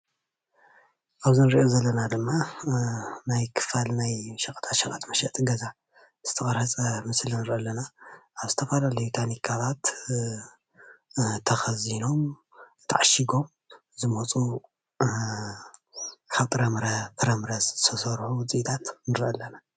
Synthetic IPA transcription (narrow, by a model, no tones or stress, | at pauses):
ʔaβzɨnɨɾiʔozɐlːɐnad̪ɨmːa | najkʰɨ̥falnajʃɐkʼɐt̪ʰat̪ʃɐkʼat̪mɐʃɐt̪ʼɡɐza | z̥ɨt̪ʰɐχʼɐɾhɐt͡sʼɐmɨslnɨɾʔɐlːɐnaʔaβzɨt̪ʰɐfɐlalɐjut̪ʰanikʰaβat̪ | t̪ʰɐxɐzino̞m | t̪ʰːa̰ʕaʃiɡo̞m | zɨmɐt͡sʼu | kʰaβt̪ʼɨɾɐmɾɐt̪ʰʼɨɾɐmɾɐsɨt̪ʰɐsɐɾħuwt͡sʼit̪ʰat̪nɨɾʔɐlːɐna